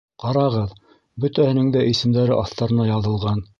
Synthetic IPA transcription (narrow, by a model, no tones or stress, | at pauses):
qɑɾɑʁɤð | bɵ̆t̪æhɘ̆nɘŋd̪æʔisɘ̆md̪æɾɘʔɑθt̪ɑɾɤ̆nɑjɑðɤ̆lˠʁɑn